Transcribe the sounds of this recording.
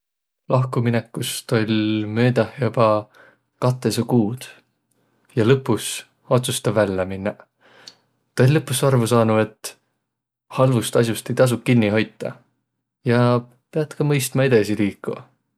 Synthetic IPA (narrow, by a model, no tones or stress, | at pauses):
lɑhkuminekːˑust̪o̞lʲmøːd̪ɑhjɑb̥ɑ | kɑt̪ːˑesekuːd̪̥ | jɑlɤpːˑus | o̞t̪sust̪ɑvælʲːeminːɑ | t̪ɑolʲlɤpːusɑrvusɑːnue̞t̪ː | hɑlvust̪ɑs̬ʲjust̪e̞jt̪ɑs̬ukkinːiɦo̞jt̪ːɑ̰ | jɑ | pe̞ɑt̪kɑmɤjst̪mɑe̞d̪̥esiliːkːˑuɑ